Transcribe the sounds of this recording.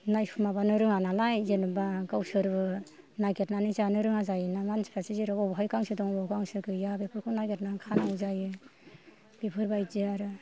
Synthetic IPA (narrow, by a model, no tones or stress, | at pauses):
najpʰumabanɯɾɯŋanalajzenɯbaɡawsɯɾbɯ | naɡetnanizanɯɾɯŋazajɯnamansi̥pʰasiziɾɔɔbɦajkaŋsɯdɔŋɔbawkaŋsɯkɯjabepʰɯɾkʰɯnaɡet̚nakʰanawzajɯ | b̥epʰɯɾbajziaɾɯ